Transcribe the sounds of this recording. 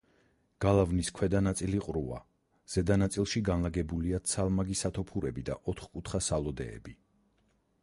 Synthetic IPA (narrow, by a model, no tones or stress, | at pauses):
ɡ̥alˠavniskʰwɛd̪anat̪sʼiliqʼɾua̰ | z̥ɛd̪anat̪sʼilˠʃiɡanlaɡɛbuliat̪sʰalˠmaɡisat̪ʰɔpʰuɾɛbid̪a̰ʔɔt̪ʰχkʼut̪ʰχasalˠɔd̪ɛ̰ːbi